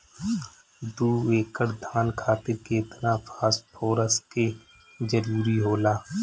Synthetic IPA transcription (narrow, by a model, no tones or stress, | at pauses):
d̪uːeːkəɾd̪ʱaːnkʰaːt̪ɪɾkeɪt̪napʰaːspʰoːɾəske | d͡ʒəɾuːɾiɦoːlaː